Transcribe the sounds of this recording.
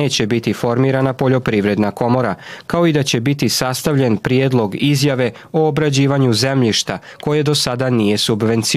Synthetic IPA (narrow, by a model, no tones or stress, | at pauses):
eːt͡ɕe̞bit̪ifo̞ɾmiːɾanapo̞ʎo̞pɾiʋɾe̞d̪nako̞mo̞ɾakao̞id̪at͡ɕe̞bit̪isast̪aʋʎe̞npɾjed̪lˠo̞ɡizjaʋe̞ | oːbɾad͡ʑiːʋaɲuze̞mʎiʃt̪a | ko̞jed̪o̞sad̪anije̞subʋe̞nt̪si